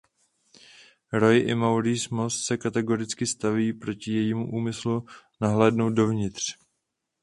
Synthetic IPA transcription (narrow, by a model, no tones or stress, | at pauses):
ɾo̞jʔɪmawɾiːsmo̞st̪sɛkat̪ɛɡo̞ɾɪt͡skɪst̪aviːpɾo̞cɪjɛjiːmuʔuːmɪslunaɦlɛːdnowt̪̚do̞vɲɪt̪r̝̥